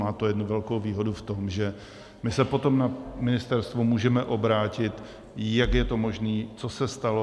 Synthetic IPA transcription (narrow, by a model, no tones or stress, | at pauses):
aːt̪ojɛdnuvɛlkowviːɦo̞duft̪o̞mʒɛ | mɪsɛpo̞t̪o̞mnamɪnɪst̪ɛɾst̪vumuːʒɛmɛʔo̞bɾaːcɪt̪ | jakjɛt̪o̞mo̞ʒniːt͡sosɛst̪alo